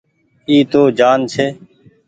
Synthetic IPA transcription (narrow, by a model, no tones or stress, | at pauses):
iːt̪oːd͡ʒaːnt͡ʃʰeː